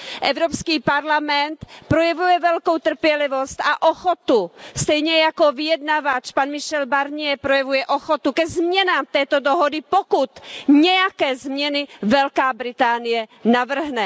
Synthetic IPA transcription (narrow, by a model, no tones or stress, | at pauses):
ʔɛvɾopskiːpaɾlamɛnt̪pɾojɛvujɛvɛlkowt̪r̩pjɛlɪvost̪aʔoxot̪ust̪ɛjɲɛjakovɪjɛdnavat͡ʃpanmɪʃɛlbaɾɲɪjɛpɾojɛvujɛʔoxot̪ukɛzmɲɛnaːmt̪ɛːt̪odoɦodɪpokut̪ɲɛjakɛːzmɲɛnɪvɛlkaːbɾɪt̪aːnɪjɛnavr̩ɦnɛ